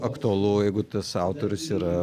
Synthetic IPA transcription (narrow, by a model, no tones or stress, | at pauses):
ɐkt̪ʊɐlˠuːjɛɪɡʊt̪ɐsɑˑʊt̪oːɾʲʊsiːɾɐ